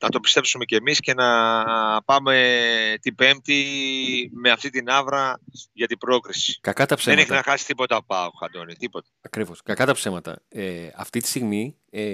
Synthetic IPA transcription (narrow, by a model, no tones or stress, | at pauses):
nɐt̪o̞pist̪e̞psume̞ce̞misce̞nɐ | pɐme̞t̪ibe̞mt̪i | me̞ɐft̪it̪inɐvɾɐʝɐt̪ibɾo̞kɾisi̥kɐkɐt̪ɐpseneçinɐxɐsi̥t̪ipo̞t̪ɐpɐoxɐd̪o̞nit̪ipo̞t̪ɐ̥ɐkɾivo̞skɐkɐt̪ɐpse̞mɐt̪ɐ̰eɐ̰ft̪it̪i̥st̪iɣmi | e